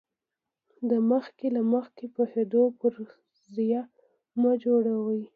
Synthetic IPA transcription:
d̪əməxkelaməxkepohed̪opəɾ | zja | məd͡ʒoɽawəj

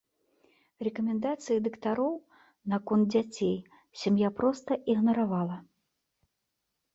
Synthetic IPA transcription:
rɛkɐmʲɛnd̪at̪sɨjɐd̪ɐkt̪aɾɔw | nɐkɔnd̪̚d͡zʲat͡sʲej | sʲamjapɾɔst̪ɐʔiɣnɐɾavalˠɐ

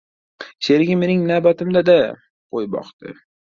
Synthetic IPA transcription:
seɾɪɡʲɪme̞nɪŋnaːbat̪ɪmd̪ad̪a | qʰojbɒ̰qt̪ɪ̰

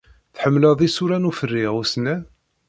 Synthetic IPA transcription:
θħəmːləðˤisuɾænufərːiʁusnæ

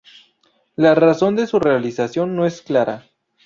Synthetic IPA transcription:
laraso̞nd̪e̞sure̞alisasjo̞nːoe̞sklaɾa̰

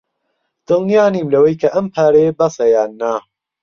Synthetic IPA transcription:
d̪̥ɨlˠnijaːniːmlɐwɐjkʰɐʔɐmpʰaːɾɐjebɐsɐjaːnːa

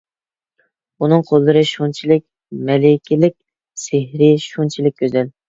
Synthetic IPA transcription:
unɨŋqʰolˠːɨɾɨʃunt͡ʃʰilɪkʲ | mɛlɪkʲʰilɪkʲ | sehɾɪʃunt͡ʃʰilɪkʲkʰʲːøzɛl

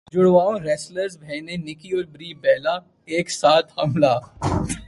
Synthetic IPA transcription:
d͡ʒʊɽʋaːõɾɛːsləɾsbʱɛːnenɪkiɔɾbɾiːbɛːla | eːksaːt̪ʰhɐmla

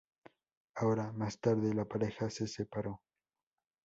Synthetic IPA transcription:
aoɾamast̪aɾðelapaɾexasesepaɾo

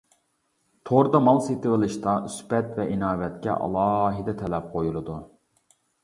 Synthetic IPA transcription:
t̪ʰoɾd̪ɑmɑlˠset̪ɨʁɨlˠɨʃt̪ɑyspɛt̪vɛʔinɑːvɛt̪kʲɛ̰ʔɑ̰lˠɑːɦɨd̪ɛt̪ʰɛlɛp̚qʰojulˠɨd̪u

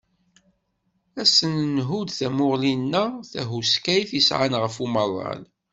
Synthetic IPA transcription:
æsənnɦud̪θæmʊʁlinːəθæɦuskæjfisʕa̰nʁəfuməðˤːɑ̰l

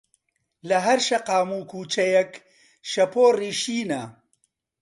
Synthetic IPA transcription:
lɐɦɐɾʃɐqaːmuːkʰuːt͡ʃɐjɛk | ʃɐpʰoːriːʃiːnɐ

